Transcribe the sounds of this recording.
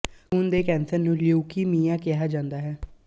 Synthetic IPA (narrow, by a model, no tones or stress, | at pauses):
ɦʊnd̪eːkɛ̃ːnsəɾnũːljuːkiːmiːãːkɪɦaːd͡ʒãːnd̪aːɦɛː